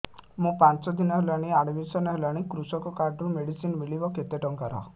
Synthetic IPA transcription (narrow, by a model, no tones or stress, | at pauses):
mũpant͡ʃɔd̪inɔɦelaɽ̃iaɽbisɔnɔɦelaɽ̃ikɾusɔkɔkaɾɖumeɽisinmiɭibɔket̪eʈɔŋkaɾɔ̰